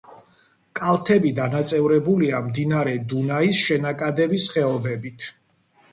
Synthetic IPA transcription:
kʼalˠt̪ʰɛbid̪anat̪sʼɛvɾɛbuliamd̪inaɾɛd̪unaisʃɛnakʼad̪ɛbisχɛɔbɛbit̪ʰ

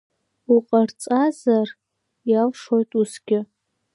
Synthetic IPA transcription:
uqʼart͡sʼazar | jalʂo̞jtʼusɡʲɪ

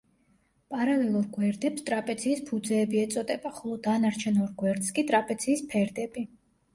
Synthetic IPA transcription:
pʼaɾalɛlˠuɾɡwɛɾd̪ɛpst̪ʼɾapʼɛd̪ziːspʰud̪zɛːbiɛt̪sʼɔd̪ɛbaχɔlˠɔd̪anaɾt͡ʃʰɛnɔɾɡwɛɾd̪skʼit̪ʼɾapʼɛd̪z̥ʰiːspʰɛɾd̪ɛbi

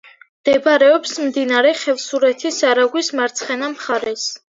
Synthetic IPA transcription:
md̪̥ɛbɾɛɔpsmd̪inaɾɛχɛlˠsuɾɛt̪ʰisaɾaɡwismaɾt̪sʰχɛnamχaɾɛs

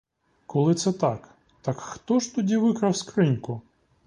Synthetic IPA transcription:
kɔlˠɪt̪sɛt̪ɑk | t̪ɐkxt̪ɔʒt̪ɔdʲiʋɪkɾɐwskɾɪnkʊ

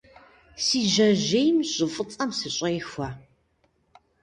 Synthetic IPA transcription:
siːʒɐʒejmɕʼɨfʼɨt͡sʼɐmsɨɕʷʼejxʷɐ

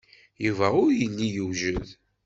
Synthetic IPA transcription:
juvæʊɾjəlːijuʒəð

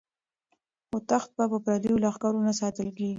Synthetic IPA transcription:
ʊt̪axt̪̚bapəpɾad̪ijolaxkɑɾunasɑt̪əlkeɡi

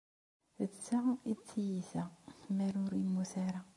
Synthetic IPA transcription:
ət͡sːait͡sːijiθæmæɾʊɾimːuθaɾa

